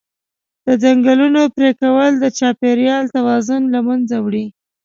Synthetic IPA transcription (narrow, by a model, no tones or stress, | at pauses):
d̪̥əd͡ʒaŋɡalunopɾekawəld̪ət͡ʃɑpeɾjɑlt̪awɑzʊnlamanzawɽi